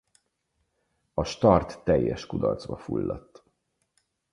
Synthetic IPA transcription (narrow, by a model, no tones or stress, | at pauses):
ɒʃt̪ɒrt̪ːɛjːɛʃkud̪ɒ̰rt̪zbɒfulːɒt̪ː